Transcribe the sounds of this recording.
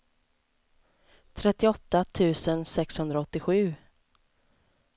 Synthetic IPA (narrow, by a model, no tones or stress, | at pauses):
t̪ʰɾɛt̪ːɪɔt̪ːat̪ʰʉ̟ːsənsɛkshɵnd̪ɾaɔt̪ːɪɧʉ̟ː